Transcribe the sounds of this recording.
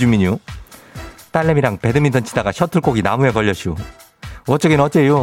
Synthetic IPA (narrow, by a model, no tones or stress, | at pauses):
d͡ʑumiɲu | t͈aɭːemiɾaŋpe̞dɯmindʰʌnt͡ɕʰidaɡaɕʰʌtʰɯɭk͈oɡinamue̞kʌʎːʌɕʰio | wʌt͡ɕ͈ʌɡinʌt͡ɕ͈e̞jo